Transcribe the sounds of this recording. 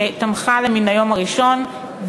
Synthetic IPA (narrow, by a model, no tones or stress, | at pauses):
etamχaleminajo̞maʁiʃo̞n | v